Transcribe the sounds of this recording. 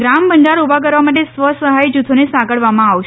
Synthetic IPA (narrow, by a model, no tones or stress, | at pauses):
ɡɾambəɳɖaɾubʱak̬əɾʋamaʈ̬esʋəsəɦajd͡ʒut̪ʰonesãɡəɽʋamãaʋʃ